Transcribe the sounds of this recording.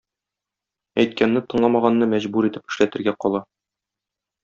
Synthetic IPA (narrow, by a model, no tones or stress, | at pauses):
æjt̪̚kænːɘt̪ɤ̆ɴlˠɑmɑʁɑnːɤmæʑbuɾit̪ɘpɘ̆ʃlæt̪ɘ̆ɾɡæqɒlˠɑ